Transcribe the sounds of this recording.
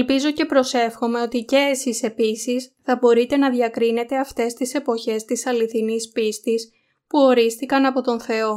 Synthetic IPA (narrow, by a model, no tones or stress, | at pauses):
elpizo̞ce̞pɾo̞se̞fxo̞me̞o̞t̪ice̞ːsise̞pisisθɐbo̞ɾit̪e̞nɐðʝɐkɾine̞t̪e̞ɐft̪e̞st̪ise̞po̞çe̞st̪isɐliθinispist̪is | puo̞ɾist̪ikɐnɐpo̞t̪o̞nθe̞o̞